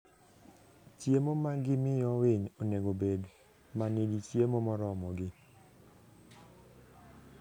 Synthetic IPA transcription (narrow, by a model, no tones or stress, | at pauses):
tjemomaɡɪmɪjɔwɪɲoneɡobed | maneditjemomɔɾɔmɔɡɪ